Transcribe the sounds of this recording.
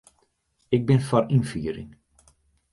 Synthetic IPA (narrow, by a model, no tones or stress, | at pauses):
ɪk̚bɪnfɔrinfiːɾɪ̰ŋ